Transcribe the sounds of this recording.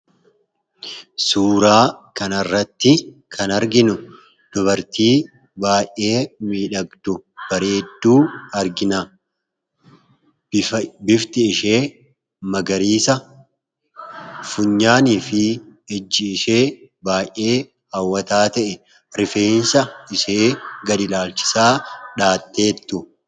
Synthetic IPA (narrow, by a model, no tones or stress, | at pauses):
suːɾaːkɐnɐrːɐt̪ːɪkʰɐnɐɾɡɪnʊ | d̪̥ɔβɐɾt̪iː | baːjʔe̞ːmiːᶑɐɡd̪ʊb̥ɐɾe̞ːd̪ːuːɐɾɡɪnɐ | bɪft̪ɪːʃe̞ː | mɐɡɐɾiːsɐ | fʊɲːaːniːfɪɛd͡ʒːɪːʃe̞ːbaːjʔʔe̞ː | hɐwːɐt̪aːt̪ɐʔɛ | ɾɪfe̞ːnsɐɪseːɡɐd̪ɪlaːlt͡ʃɪ̥saːᶑaːt̪ːe̞ːt̪ːʊ